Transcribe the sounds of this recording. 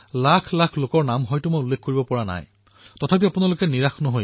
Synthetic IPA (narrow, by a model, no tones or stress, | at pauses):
lakʰlakʰlokɔɹnamɦɔjtʊmojulːekkːoɹibɔpɔɹana̰j | tɔtʰapiapunalokɛniɹaxnɔɦoj